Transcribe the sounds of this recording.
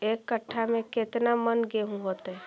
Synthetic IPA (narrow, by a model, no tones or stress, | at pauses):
ekːəʈʰːamẽket̪namənɡeɦũɦot̪ɦɛ